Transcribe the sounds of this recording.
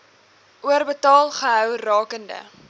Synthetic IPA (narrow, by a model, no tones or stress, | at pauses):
ʔuərbətɑːlˠχəɦœwrɑːkəndə̰